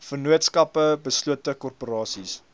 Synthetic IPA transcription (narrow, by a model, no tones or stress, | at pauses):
fərnuətskɐpəbəsluətəkɔrpoɾɑːsis